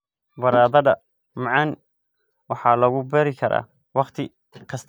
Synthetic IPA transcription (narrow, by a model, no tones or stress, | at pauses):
bɐɾaːðɐðɐ | mɑʕɑn | wɑħɑːlɐɣʊbɛɾɪkʰɐɾa̰ː | wɑqt̪ʰɪ | kʰɐst̪ʰ